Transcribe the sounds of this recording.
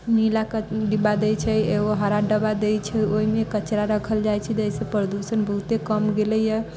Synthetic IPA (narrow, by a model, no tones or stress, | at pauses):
nilakəɖibad̪et͡ʃʰɛeɡoɦəɾaɖəbad̪et͡ʃʰɛoimekət͡ʃɾaɾəkʰəld͡ʒajt͡ʃʰɛd͡ʒ̪əjsepɾəd̪usənbəɦut̪ekəmɡeləjə